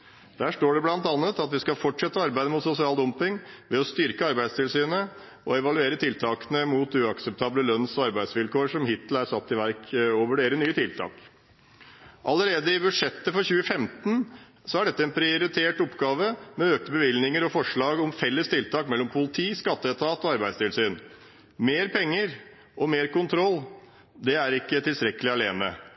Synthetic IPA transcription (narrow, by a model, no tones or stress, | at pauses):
d̪̥æːʂʈoːɖɛblɑnt̪ɑnːət̪ɑt̪ʋɪskɑlfɔʈʂɛt̪ːəɑɾbæɪd̪əmʊt̪sʊsɪɑːld̪ɔmpɪŋʋɛɔst̪ʏɾkəɑɾbæɪd̪st̪ʰɪlsyːnə | ʔɔɛʋɑlʉeːɾət̪ʰɪlt̪ʰɑːkənəmut̪ʉːɑksɛp̚t̪ʰɑːbləlœnsɔɑɾbæɪd̪sʋɪlkoːʂɔmhɪt̪l̩æɾsɑt̪ːɪʋæɾkoːʋəɖeːɾənyːət̪ʰɪlt̪ʰɑ̰ːk | ʔɑləɾeːd̪əɪbʉʂɛt̪ːəfɔɾçʉːəfɛmt̪n̩ | sɔæɖɛt̪ːəɛnpʰɾɪʊɾɪt̪ʰeːʈɔpːɡɑːʋəmɛøːk̚t̪əbəʋɪlnɪŋəɾɔfɔʂɭɑːɡɔmfɛlːəst̪ʰɪlt̪ʰɑːkmɛlːɔmpʰʊlɪt̪ʰiːskɑt̪ːəɛt̪ʰɑːt̪ɔɑɾbæɪd̪st̪ɪlsyːn | meːɾpʰɛŋːəɾ | ʔɔmeːɾkʊnt̪ʰɾɔlː | d̪ɛæɾɪkːət̪ʰɪlst̪ɾɛkːəlɪɑleːmə